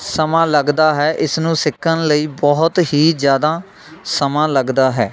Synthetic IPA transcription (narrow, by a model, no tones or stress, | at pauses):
səmãːləɡd̪aːɦɛːʔɪsnũːsɪkʰːənləiːbɔɦʊt̪ɦiːd͡ʒjaːd̪aː | səmãːləɡd̪aːɦɛː